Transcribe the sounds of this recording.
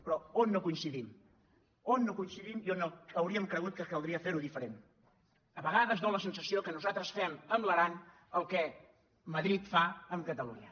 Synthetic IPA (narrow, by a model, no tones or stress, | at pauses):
pɾɔonːokuinsiðim | onːokuinsiðimionoəwɾiəmkɾəɣut̪̚kəkəlˠd̪ɾiəfeɾuðifəɾen | əβəɣaðəzdoləsənsəsiokənuzat̪ɾəsfɛməmləɾan | əlˠkɛ | məðɾit̪faəmkət̪əluɲə